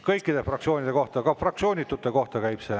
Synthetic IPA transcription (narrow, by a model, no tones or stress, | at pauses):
kɤjkˑːid̪̥e̞frɑk̚tsio̞ːnʲid̪̥e̞ko̞ht̪ɑkɑfrɑk̪̚sio̞ːnʲit̪ːˑut̪ːˑe̞ko̞ht̪ɑkæjb̥se